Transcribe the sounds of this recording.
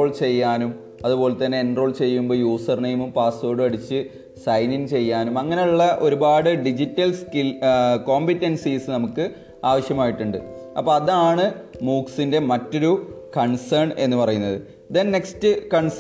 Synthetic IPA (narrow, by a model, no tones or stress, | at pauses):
oːɭt͡ɕe̞jːaːnum | ɐðupo̞ːlet̪ːɐnːe̞ːnro̞ːɭt͡ɕe̞jːumbo̞ːjuːsɐrnejmumpaːso̞ːɽɨɐɽit͡ɕːɨ | sɐjnint͡ɕe̞jːaːnumɐŋːɐne̞juɭːɐʔo̞ɾubaːɽɨɖid͡ʑitːɐlskilko̞ːmbitːensisɨnɐmukːɨ | aːʋɐɕjɐmaːjiʈːuɳɖɨ̰ | ɐ̰pːoːɐðaːɳɨmuːksinde̞mɐtːo̞ɾukɐɳsɐrɳe̞nːɨpɐrɐjunːɐðɨ | d̪e̞nne̞kstɨkɐɳs